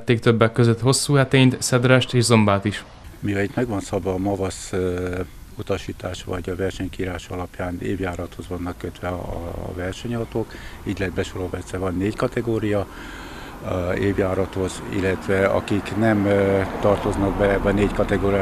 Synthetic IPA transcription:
t̪ːeːkt̪øbːɛkːøzøt̪ho̞sːuːɦɛt̪eːɲt̪sɛd̪rɛʃt̪eːʒzo̞mbaːt̪iʃ | miɒit̪mɛɡʋɒnsɒbɒːmɒvɒs | ut̪ɒʃiːt̪aːʃʋɒ̰ɟɒvɛrʃɛɲkiːɾaːʃɒlɒpjaːnḛːbjaːɾɒt̪ho̞zʋɒnːɒkːøt̪ʋɛɒ̰vɛrʃɛɲɒt̪oːkiːɟlɛd̪̚bɛʃoɾovɛt̪sɛvɒnːeːckɒt̪ɛɡoːɾijɒ | eːbjaːɾɒt̪ho̞zḭlːɛt̪ʋɛɒ̰kiknɛmt̪ɒrt̪o̞znɒɡ̚bɛlɛbːɛɒneːckɒt̪ɛɡoːɾia

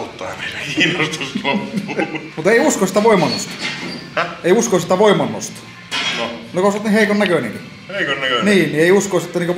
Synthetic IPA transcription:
ut̪ːɑɑ̰meilːækiːnost̪uslopːumut̪eˑiuskosit̪æʋoimˑɑnːo̰st̪ɑ̥ | eˑiuskoiset̪ːæʋoimːˑɑnːo̰st̪ɑ̥ | nonekosot̪niheˑikonnækønḛŋki | heikonːækønniːnnieˑiuskoiset̪ːæniːkø

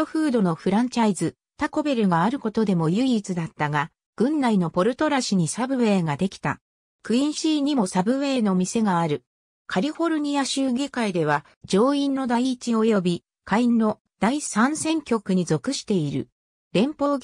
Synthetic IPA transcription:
oɸɯ̟ːd̪o̞no̞ɸɯ̟ɾãɲ̟t͡ɕaizɨ | t̪ako̞be̞ɾɯ̟ɡaːɾɯ̟ko̞t̪o̞d̪e̞mo̞jɯ̟iːt͡sɨd̪at̪ːaɡa | ɡ̥ɯ̟̃nːaino̞po̞ɾɯ̟t̪o̞ɾaɕiɲ̟isabɯ̟βe̞ːɡad̪e̞kʲi̥t̪a̰ | kɯ̟ĩɰ̃ɕiːɲ̟imo̞sabɯ̟βe̞ːno̞mʲise̞ɡaːɾɯ̟ | kʰaɾʲiɸo̞ɾɯ̟ɲ̟ijaɕɨːɡekaid̪e̞β̞a | d͡ʑo̞ːĩnːo̞d̪aiːt͡ɕio̞jo̞bʲi | kʰainːo̞ | d̪̥aisãɰ̃sẽ̞ŋkʲo̞kɯ̟ɲ̟izo̞kɯ̟ɕi̥t̪e̞iɾɯ̟̰ | ɾẽ̞mpo̞ː

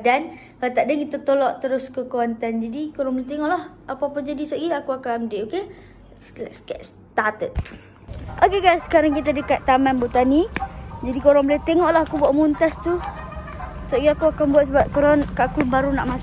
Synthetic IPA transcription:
dan | ət̪aʔdənkit̪at̪olɔʔt̪əɾʊskəkuant̪and͡ʒadikoɾãŋbolat̪eŋɔʔlah | apapəd͡ʒadisɔʔɡiakuakamdiʔoke | sə̥kaʔ̪s | t̪at̪ət̪̚ | ʔokeɡajsːə̥kaɾaŋkit̪̬adəkat̪ːamanbut̪anid͡ʒadikoɾaŋbolaht̪eŋɔʔlahakubuaʔmunt̪ast̪u | sɔʔɡiakuakanbuat̪̚səbap̚koɾankaʔakubaɾunaʔmas

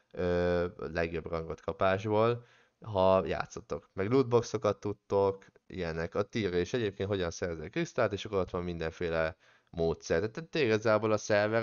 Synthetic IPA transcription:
øːlɛɡjo̞brɒŋɡot̪kɒpaːʒboːl | ɦɒja̰ːt̪so̞t̪ːokmɛɡluːd̪̚bo̞kso̞kɒt̪ːut̪ːo̞k | ḭjɛnɛkɒt̪iːreːʃɛɟeːp̚keːnt̪ho̞ɟɒnsɛrzɛkrist̪aːt̪eːʃɒkozot̪lɒmːind̪ɛɱfeːlɛ | moːt̪sɛrt̪ɛt̪ːɛt̪ːeiɡɒzaːboːlɒsɛrvɛ

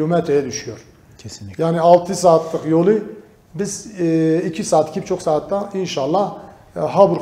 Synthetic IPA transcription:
omɛt̪ɾejɛd̪yʃyjoɾʰ | ɛsnjaːniɑlˠt̪ʰɯsaːt̪ʰlˠɯχjolˠɯ | bizicʰisaːt̪i̥cʰibt͡ʃʰoχsaːt̪ːainʃɑlˠːɑ | ɦabuɾ

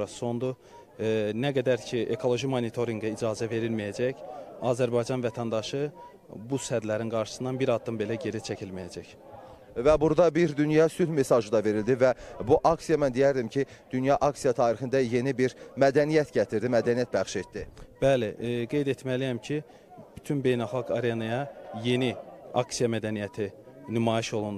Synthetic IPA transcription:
ɑso̞nd̪u | næɡæd̪æɾcʰiekʰo̞lˠo̞ʒimonit̪ʰo̞ɾiŋɡɑid͡ʒɑːzæve̞ɾilmijæd͡ʒæçɑzæɾbɑjd͡ʒɑnvæt̪ʰænd̪ɑʃɯ | bushæd̪læɾinɡɑɾʃɯ̥sɯnɑnbiɾɑd̪ːɯmbe̞læɟe̞ɾit͡ʃʰæcʰilmijæd͡ʒæç | væbuɾd̪ɑbiɾd̪ynjɑsylme̞sɑʒɯd̪ɑve̞ɾild̪ivæbuʔɑksijɑmænd̪ijæɾd̪imcʰid̪̥ynjɑʔɑksijɑt̪ʰɑːɾixind̪æje̞nibiɾmæd̪ænijæt̪ɟæt̪ʰiɾd̪imæd̪ænijæt̪̚bæχʃe̞t̪d̪ib̥æleɡe̞jd̪e̞t̪ʰmælijæmcʰi | b̥yt̪ʰynbe̞jnælˠxɑɡɑɾenɑjɑje̞niɑksijɑmæd̪ænijæt̪ʰinymɑːjiʃo̞lˠund̪

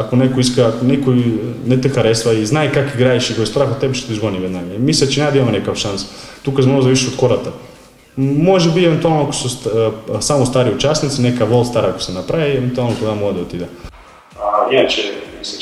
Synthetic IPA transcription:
akonɛkoiskaakonɛkojnɛt̪ɛxaɾɛsvaiznajkakiɡɾaiʃit̪ojst̪ɾaxot̪ɛbɛʃt̪o̥t̪iʒɡoniʋɛd̪naɡamiseat͡ʃinʲad̪aimamonɛkafʃans | t̪ukasmoozaʋiʃiʃot̪koɾat̪a | moʒɛbievɛnt̪ualˠnoako̥sussamost̪aɾiut͡ʃasnit̪sinɛkaʋolˠst̪aɾaako̥sɛnapɾajievɛnt̪ualnot̪oɡamoɡad̪aot̪id̪ɛ | aɛt͡ʃɛi

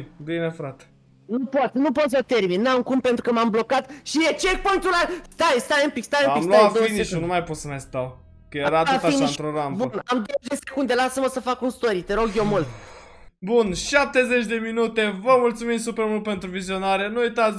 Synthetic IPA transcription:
d̪inefɾat̪e̥ | nupot̪nupot̪s̬ət̪e̞rminːamkumpe̞nt̪ɾukəmamblo̞kat̪ʃijet͡ʃek̚puŋt̪ulast̪ajst̪ajempikst̪ajemaimloafiniʃunumajpot̪səmajst̪aw | kəjeɾat̪aainaiɨnʃt̪ɾoɾambbunamd̪od̪ese̥kund̪e̞lasəməsəfakunst̪o̞ɾit̪eɾo̞ɡjewmult̪ | bunʃap̚t̪e̞zet͡ʃʲd̪e̞minut̪e̞vəmult̪sumimsupɾemult̪̚pe̞nt̪ɾuvizio̞naɾenuujt̪at̪

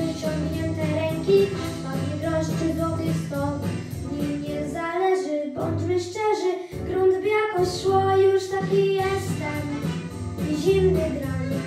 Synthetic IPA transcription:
ɨt͡ɕɔŋɡɲɛnt̪ɛɾɛŋkʲi | ad̪ɲivɾɔɕt͡ʂɘd̪ɔt̪ɪxst̪ɔw | ɲimɲɛzalɛʐɘbɔɲd͡ʒmɘʂt͡ʂɛʐɘ | kɾɔnd̪bʲjakɔsʂwɔjuʂt̪akʲijɛst̪ɛm | ʑimd̪ɪɡɾaɲi

